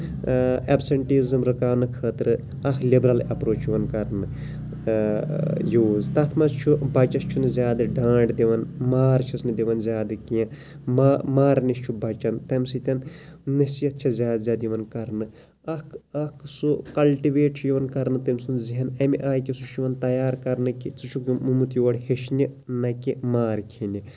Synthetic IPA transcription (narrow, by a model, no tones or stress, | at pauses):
ɐbsɐɳʈiːzɨmɾɨkaːnɨkʰəːt̪ɾɨ | ɐkʰlibɾɐlɐpɾoːt͡ʃʰjiʋɐnkɐɾnɨ | juːzt̪ɐt̪ʰmɐst͡ʃʰubɐt͡ʃɐst͡ʃʰunɨzʲjaːd̪ɨɖãːɳɖd̪iʋɐnmaːɾt͡ʃʰɐsnɨd̪iʋɐnzʲjaːd̪ɨkiɐ̃ | amaːɾnist͡ʃʰubʱɐt͡ʃɐnt̪ɐmsit̪ʲɐnnɐsijɐt̪̚t͡ʃʰɐzʲjaːd̪zʲaːd̪jiʋɐnkɐɾnɨ | ɐkɐkʰsukɐlʈiʋeːʈt͡ʃʰujiʋɐnkɐɾnɨt̪ɐmsunziɦɐnɐmiʔaːjkisuʃiʋɐnt̪ɐjaːɾkɐɾnɨkit͡sɨt͡ʃʰukmumut̪juːɐɽheʃnʲinɐkimaːɾkʰinʲi